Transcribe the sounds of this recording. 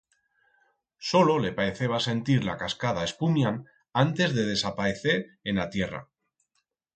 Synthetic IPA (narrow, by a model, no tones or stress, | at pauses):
so̞lo̞le̞paeθe̞β̞ase̞nt̪iɾlakaskað̞ae̞spumjan | ant̪e̞zðe̞ð̞e̞sapae̞θe̞ɾenat̪je̞ra̰